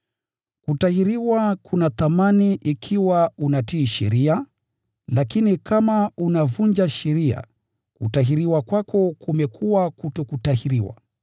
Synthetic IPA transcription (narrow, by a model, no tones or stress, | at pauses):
kutahiɾiwakʰunaθamaniʔikʰiwaunatiːʃɛ̰ɾia | lakinikʰamaunavuɲd͡ʒaʃɛɾia̰ | kṵtaɦiɾiwakwakɔkumɛkʰuwakutɔkutahiɾiwa̰